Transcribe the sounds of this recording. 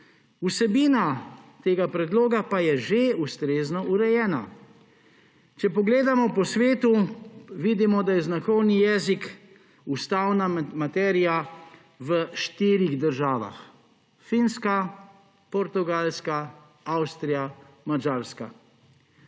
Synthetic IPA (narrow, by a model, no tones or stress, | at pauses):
usɛbiːnat̪eːɡapɾɛd̪loːɡapajɛʒeust̪ɾeːznɔʔuɾɛjɛːna̰ | t͡ʃɛpɔɡleːd̪amɔpɔsʋeːt̪uʋid̪imɔd̪ajɛznaxɔwnijɛːzik | ust̪awnamat̪ɛːɾija | ʋəʃt̪iːɾiɣd̪əɾʒaːʋa̰x | finska | pɔɾt̪uɡalska | awst̪ɾija | mad͡ʒaɾska̰